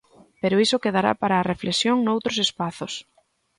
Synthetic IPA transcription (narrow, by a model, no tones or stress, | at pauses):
peɾʊisʊkeðaɾa̰paɾaːreflesjoŋnowt̪ɾʊsespaθʊs